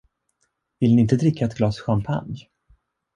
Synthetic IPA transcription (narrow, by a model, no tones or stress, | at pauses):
vɪlnɪɪnt̪əd̪ɾɪkʰːaɛt̪ɡlɑːsɧampʰa̰nj